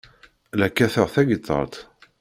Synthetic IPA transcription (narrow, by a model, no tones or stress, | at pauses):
lækːæθəʁθæɡət̪ˤːə̰ɾt̪